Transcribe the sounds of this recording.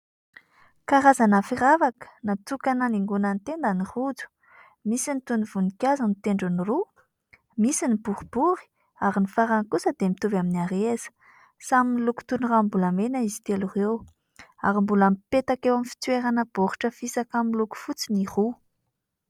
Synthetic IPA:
kaɾazanafiravakə̥nat͡s̪ukanəniŋɡunant̪end̪aniχud͡zu̥ | misinit̪univ̥unikʲazanit̪eɳɖ͡ʐuniru | misinib̥uɾib̥uɾi̥ | aɾinifaɾankusəd̪̥emit̪uvaminiaɾezə̥ | saminiluku̥t̪unurambulamenaizi̥t̪elurew | aɾimbulampet̪akewamfi̥t͡sweɾanəb̥oɾuʈ͡ʂəfisakamiluku̥fut͡siniχu

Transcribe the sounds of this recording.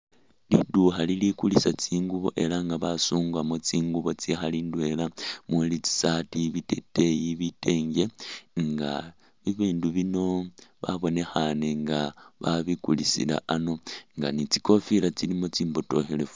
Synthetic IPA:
liduxalilikulisat͡siːŋɡuβo̰ʔe̞laŋɡaβasuːŋɡwamot͡siːŋɡuβo̞t͡sixaliːndwelamulit͡si̥satiβitete̞jiβite̞ːŋɡe̞ŋɡa | βiβiːnduβino̞βaβo̞ne̞xane̞ŋɡaβaβikulisḭla̰ʔano̞ŋɡanit͡si̥ko̞filat͡silimot͡siːmboto̞xele̞f

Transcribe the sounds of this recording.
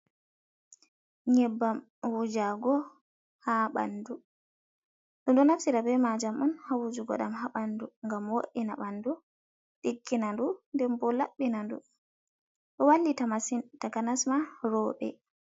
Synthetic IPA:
ɲɛbːam | wud͡ʒaɡɔ | haɓa̰ndu | ɗɔnɗɔnafsiɾabɛmad͡ʒamɔnhawud͡ʒuɡɔ̰ɗamhaɓanduŋɡamwoɗːinaɓanːdu | ɗikːinandundɛmbɔlaɓːinandṵ | ɗɔwalːitamasintakanasmaɾɔːɓɛ̰

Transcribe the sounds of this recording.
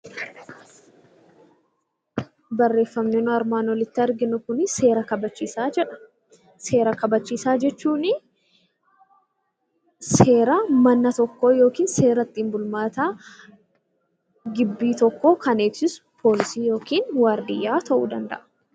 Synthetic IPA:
bɐrːe̞ːfːɐmneːnʊɐɾmaːnɔlɪt̪ːɪɐɾɡɪnʊkʊnɪse̞ːɾɐkɐbɐt͡ʃːiːsaːd͡ʒɛᶑɐ̥ | se̞ːɾɐkɐbɐt͡ʃːiːsaːd͡ʒɛt͡ʃːuːnɪ | se̞ːɾɐmɐnːɐt̪ɔkːo̞ːjo̞ːkiːnse̞ːɾɐt̪ːiːmbʊlmaːt̪aː | ɡɪbːiːt̪ɔkːo̞ːkɐne̞ːɡsɪsʊ̥pʰo̞ːlɪsiːjo̞ːkiːnwaːɾd̪ɪjːaːt̪ɐʔṵːd̪ɐnd̪ɐ̰ʔɐ̥

